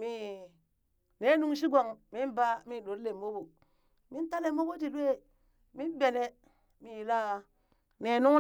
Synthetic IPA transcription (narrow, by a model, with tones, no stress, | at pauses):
mi˨ | ne˦nu˦ŋʃ̬i˦ɡo˨ŋmi˦nba˦mi˦˨ɗo˨ɾle˨mːo˦bo˨ | mi˦nta˦le˨mo˦bo˦ti˨˦we˦ | mi˦n˦be˨ne˦ | mi˨jla˦ | ne˨nu˦